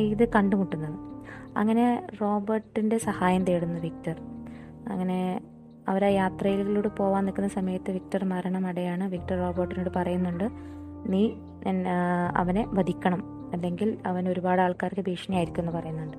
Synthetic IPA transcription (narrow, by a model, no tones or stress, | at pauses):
iðɨkɐɳɖumuʈːunːɐðɐ̰ŋːɐne̞ro̞ːbɐrʈːinde̞sɐhaːjɐmt̪eːɽunːɐʋik̚tɐr | ɐ̰ŋːɐne̞ | ɐʋɐɾajaːt̪rɐjilɣiluːɽɨpo̞ːʋaːnːikːunːɐsɐmɐjɐt̪ːɨʋik̚tɐrmɐɾɐɳɐmɐɽejaːɳɨʋik̚tɐrːo̞ːbɐrʈːinuːɽɨpɐrɐjunːuɳɖɨ | niː | ɐ̰ʋɐne̞ʋɐd̪ʱikʲːɐɳɐm | e̞nd̪e̞ŋɡilɐʋɐno̞ɾubaːɽɨaːɭkaːɾɐkːɨbʱiːʂɐnɐjaːjiɾikʲːuenːɨpɐrɐjunːuɳɖɨ